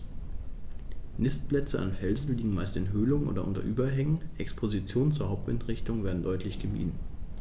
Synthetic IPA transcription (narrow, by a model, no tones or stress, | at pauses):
nɪstplɛt͡səʔa̰nfɛlzn̩liːɡŋ̩maɪstɪnɦøːlʊŋʔo̰ːdɐʔʊ̰ntɐ̰ʔyːbɐɦɛŋənʔɛkspʰozit͡sjoːnənt͡suːɐhaʊp̚tvɪntʁɪçtʊŋveːɐdn̩dɔʏtʰlɪçɡ̥əmḭːdn̩